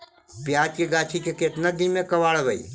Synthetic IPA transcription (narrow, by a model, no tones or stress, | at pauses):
pjaːd͡ʒkeɡaːt͡ʃʰikeket̪nad̪imẽkəʋaːɽbəḭ